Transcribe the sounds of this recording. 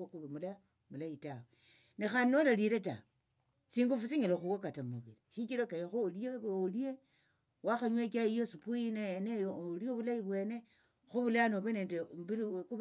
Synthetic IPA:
okumula | mulaitawe | nexannolaliɾeta̰ | siːŋɡufusiɲeloxuwokatamoβiliʃikilokajixolieolie | waxaɲwekaijosupuinenejolioβulaiβwe̞ːne | xuβulanoβenendeβiku

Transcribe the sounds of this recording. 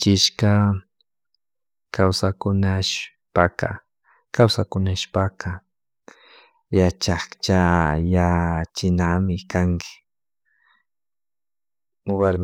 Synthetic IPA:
t͡ʃɪʃka | kʰawsakʊnaʃ | paka̰ | kawsakʊnaʃpaka | jat͡ʃakt͡ʃajat͡ʃɪnamɪkaŋkɪ̥ | waɾm

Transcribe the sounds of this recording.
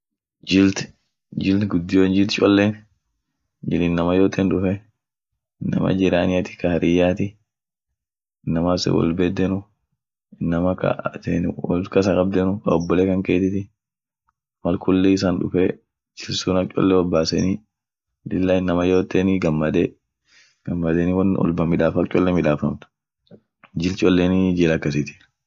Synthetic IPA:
d͡ʒɪlt̪ | d͡ʒɪlɡʊd̪ːɪjoːnd͡ʒɪlt̪t͡ʃʼɔlːen | d͡ʒɪlnːɐmɐjoːt̪ʰɛnᶑʊfɛ | nːɐ̰mɐ̰d͡ʒɪɾaːnɪɐt̪ɪ̥kɐhɐɾʔɪjːaːt̪ɪ | ɪnːɐmasɛ̰wɔ̰lbed̪ːɛnʊ | ɪnːɐmɐkɐ̰t̪enwɔlkɐs̬ɐkʼɐb̚d̪ɛnʊkɐɔbːɔleːkɐŋkeːt̪ɪt̪ɪ | mɐlkʊlːeːɪs̬aːnᶑʊfeː | t͡ʃɪlsuːnɐt͡ʃʼɔ̰lːɛwɔlbaːsɛni | dɪlːaɪnːɐmɐjoːt̪ːeːniɡɐmːɐd̪e | ɡ̥ɐmːɐd̪eːnɪwɐnɔ̰lbɐmɪᶑaːfɐlt͡ʃʼɔlːɛmɪᶑaːfɐmt̪ɐ̥ | d͡ʒɪlt͡ʃʼɔlːeːnid͡ʒeːlɐkːɐs̬ɪt̪ɪ̥

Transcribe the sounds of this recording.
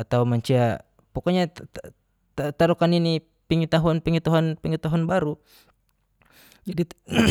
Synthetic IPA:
at̪aumaɲt͡ʃia | pɔkɔɲa | t̪aɾukanini | piŋit̪aɦuanpɛŋit̪aɦanpiŋit̪aɦanbaɾu | d͡ʒadi

